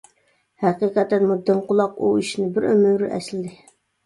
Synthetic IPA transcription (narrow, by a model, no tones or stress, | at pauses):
hɛqiqæt̪ːɛnmud̪ːɪmqʊlˠɑquiʃnɪbɪɾømyɾɪʔɛ̰slɪd̪ɪ